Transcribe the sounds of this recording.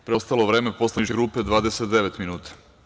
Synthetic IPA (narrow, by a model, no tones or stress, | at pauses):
pɾeost̪alˠoʋɾeːmepo̞slanit͡ʃkeɡɾuːped̪ʋaːd̪eset̪d̪e̞ʋet̪minuːt̪ḁ